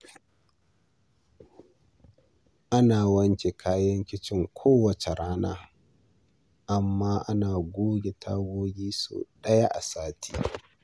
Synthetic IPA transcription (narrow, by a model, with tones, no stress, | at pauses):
ʔa˦naː˨wɐ˦ŋkʲe˨kʰaː˦jɐ˦ŋkʲɪ˦t͡ʃɪ˦ŋkʷʰoː˦wɐ˨t͡ʃe˨ɽaː˦na̰ː˦ | ʔa˨mːaː˦ʔa˦naː˨ɡʷoː˦ɡʲe˨tʰa̰˦ɡʷoː˦ɡʲiː˦sṵ˨ɗɐ˦ja˦ʔa̰˨saː˦tʰi̥̰ː˦